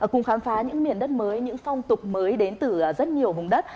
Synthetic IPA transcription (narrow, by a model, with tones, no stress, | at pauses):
kʊ̰˨˧˩ŋ͡mxaː˨˦mfaː˨˦ɲɨ̰˧˥ŋmi˧˩ənɗə˦˥t̚məː˨˦jɲɨ̰˧˥ŋfɔ˧wŋ͡mt̪ʊ˨˩k͡p̚məː˨˦jɗe˨˦nt̪ɨ˧˩˨zə˦˥t̚ɲi˨˩əwɦʊ˨˩ŋ͡mɗə˦˥t̚